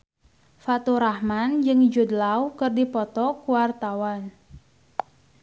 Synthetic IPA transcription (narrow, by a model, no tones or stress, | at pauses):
fat̪uɾahmand͡ʒɨŋd͡ʒud̪lawkɨrdipɔt̪ɔkuwart̪awan